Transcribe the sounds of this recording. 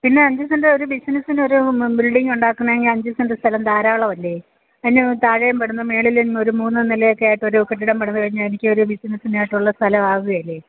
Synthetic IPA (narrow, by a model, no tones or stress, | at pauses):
pinːe̞ɐɲd͡ʑusɐndreo̞ɾubisinɐsino̞ɾubilɖiŋːuɳɖaːkːunːɐeŋɡilɐɲd͡ʑusɐnrɨst̪ʰɐlɐmd̪aːɾaːɭɐʋɐlːe | ɐðinːɨt̪aːɻɐjɐmpeɽunːɐme̞ːɭilino̞ɾumuːnːɨnilɐjo̞kːe̞jaːjiʈːo̞ɾukeʈ̬ːiɽɐmpeɽunːɨkɐɻiɲːaɭenikʲːɨo̞ɾubisinɐsinaːjiʈːuɭːɐst̪ʰɐlɐmaːɣuɣɐjɐlːe